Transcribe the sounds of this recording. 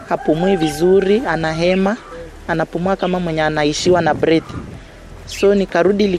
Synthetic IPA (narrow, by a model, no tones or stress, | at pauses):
hapumuivizuɾianaɦɛmaː | napumuakamamwɛɲɛanaiʃiwanabɾɛθi̥ | sɔnikaɾuɗili